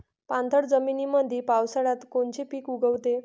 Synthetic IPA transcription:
pãnt̪ʰəɽd͡zəminiməd̪ʱipawsəɽat̪koɳt͡ɕipiːkuɡəwt̪e

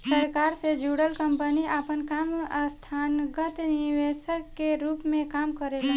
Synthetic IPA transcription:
səɾkaːɾsed͡ʒuːɽəlkə̃mpəniʔaːpənkaːmst̪ʰaːnɡət̪niʋeʃəkːeɾuːpmẽkaːmkəɾelɛ̃

